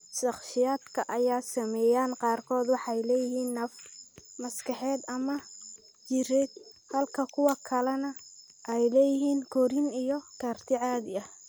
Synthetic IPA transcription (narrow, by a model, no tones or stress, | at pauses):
ʃɑχʃɪjaːd̪kʰɐʔɐjaːsɐmɛːjaːnqɑːrkʰɔːd̪wɑħɑjlɛːjɪɦiːnːɐfmɐskʰɑħɛːd̪ɐmɐ | jɪɾɛːd̪̚hɐlkʰɐkʰʊwɑkʰɐlɛnɐ | ʔɛjlɛːjɪɦiːnkʰɔɾɪnijɔkʰaːrt̪ʰɪʕaːðɪɐh